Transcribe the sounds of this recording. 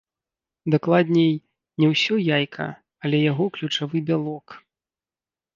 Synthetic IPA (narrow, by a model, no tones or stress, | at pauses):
d̪aklˠad̪ʲnʲɛj | nʲɛwsʲɔjajkʰɐ̰ | ɐlʲɛjaɣɔklʲut͡ʂavɨbʲalˠɔk